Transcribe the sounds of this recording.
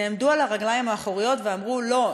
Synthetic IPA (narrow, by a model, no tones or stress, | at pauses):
eːmd̪ualaʁaɡlajimhaːχoʁijo̞tveamʁulo̞